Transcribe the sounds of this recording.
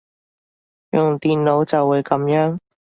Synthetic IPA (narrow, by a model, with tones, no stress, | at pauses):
jʊ˨ŋt̪iː˨nlo˨˥wt͡sɐ˨wːuː˨˧jkɐ˨˥mjœː˨˥ŋ